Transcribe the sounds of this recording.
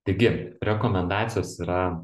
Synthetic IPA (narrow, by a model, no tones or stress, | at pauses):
t̪ɐɪɡʲɪɾʲɛkoːmʲɛnd̪ɑːt̪sʲɪjoːsiːɾɐ